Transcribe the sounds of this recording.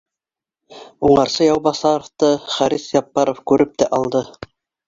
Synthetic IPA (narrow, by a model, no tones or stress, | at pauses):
uɴɑɾsɤjɑwbɑsɑɾoft̪ɤχæɾiθjɑpːɑɾofkʉɾɘp̚t̪æʔɑlˠd̪ɤ